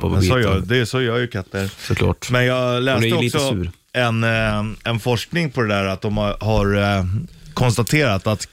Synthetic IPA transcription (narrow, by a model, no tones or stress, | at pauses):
sɔd̪ɛsɔjœːɾjɵkʰat̪ːəɾsɔkʰlɑ̰ːʈmɛnjɑːɡlɛːsɛəɔiksɔʉːɾ | ɛnɛnfɔʂknɪŋpʰɔd̪ɛd̪æːɾat̪̚d̪ɔmhaɾ | kʰɔnst̪at̪ʰeːɾat̪at̪